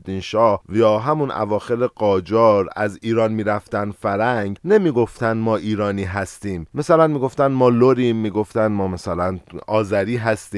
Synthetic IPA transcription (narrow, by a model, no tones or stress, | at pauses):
d̪inʃɒːhjɒːɦæmunæ̰vɒːxe̞ɾeɡɒːd͡ʒɒːɾæziːɾɒːnmiːɾæft̪ænfæɾæŋɡne̞miːɡo̞ft̪ænd̪mɒːʔiːɾɒːniːɦæst̪iːmːesælænmiːɡo̞ft̪ænd̪mɒːloɾiːmːiːɡo̞ft̪ænd̪mɒːmæsælænɒːzæɾiːɦæst̪iː